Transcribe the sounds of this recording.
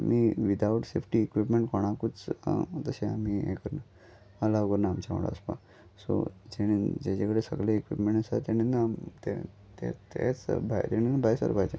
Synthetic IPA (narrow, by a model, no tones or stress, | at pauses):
amiʋid̪auʈsefʈiːkʋipmeɳʈkʰoɽ̃akut͡st̪əɕẽamiḛkəɾna | əlaʋɡəɾnaːmt͡ɕaʋə̰ɽa̰əspa̰ | so̰d͡ʑeñid͡ʑat͡ɕakəɽesə̰ɡleːkʋḭpmẽɳəsa̰t̪añinːat̪e | t̪ḛt̪ḛt͡sbʱajt̪eninːabʱajsa̰ɾbʱajd͡ʑa